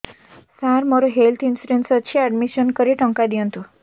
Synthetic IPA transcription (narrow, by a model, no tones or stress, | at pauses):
saɾməɾoɦelt̪ʰinsiɖensət͡ɕʰiæɖmiɕənkəɾiʈə̃ŋkad̪iə̃nt̪o